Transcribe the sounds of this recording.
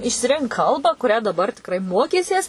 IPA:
ɪʃʲsʲɪˈrʲɪŋk ˈkɐlˠbɑː kʊˈrʲæː dɐˈbɐr tʲɪkˈrɐɪ ˈmoːkʲiːsʲiɛs

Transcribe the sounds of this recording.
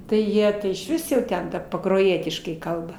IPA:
ˈtɐɪ ˈjiɛ ɪʃʲˈʋʲɪs jɛʊ ˈtʲɛn ˈtɐ pɐkroːˈjiɛtʲɪʃkɐɪ ˈkɐlˠbɐ

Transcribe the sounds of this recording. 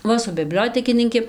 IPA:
ˈʋɐ sʊ bʲɪˈbʲlʲoːtʲɛkʲɪnʲɪŋʲkʲɪ

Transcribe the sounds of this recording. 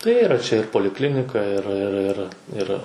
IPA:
tɐɪ ˈiːrɐ t͡ʃʲɛ ɪr poːlʲɪˈklʲɪnʲɪkɐ ɪr ɪr ˈɪr ˈɪr

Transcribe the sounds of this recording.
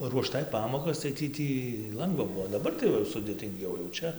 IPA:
ruɔˈʃtɐɪ ˈpɑːmoːkɐs tɐɪ ˈtʲiː ˈtʲiː ˈlˠɐŋɡʋɐ ˈbʊʋoː dɐˈbɐr tɐɪ ˈʋɐ jɛʊ sʊdʲeːtʲɪŋʲˈɡʲɛʊ jɛʊ ˈt͡ʃʲɛ

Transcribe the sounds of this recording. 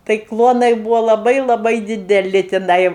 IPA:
tɐɪ ˈklˠuɔnɐɪ ˈbuːʋoː lˠɐˈbɐɪ lˠɐˈbɐɪ dʲɪdʲɛˈlʲɪ tʲɪˈnɐɪ

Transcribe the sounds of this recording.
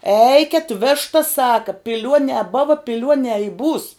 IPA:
ˈɛɪkʲɛt ˈʋʲæːʃtɐs ˈsɑːkɐ pʲɪˈlʲuɔnʲɛː ˈboːʋɐ pʲɪˈlʲuɔnʲɛː ɪ buːs

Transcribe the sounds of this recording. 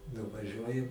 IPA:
nʊʋɐˈʒʲuɔjʊ

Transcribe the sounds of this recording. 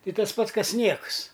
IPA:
ˈtɐɪ ˈtɐs ˈpɐts ˈkɐs ˈnʲiɛkʊs

